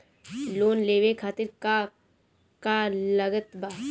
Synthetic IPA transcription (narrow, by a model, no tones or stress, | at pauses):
loːnleːʋekʰaːt̪ɪɾka | kaləɡət̪baː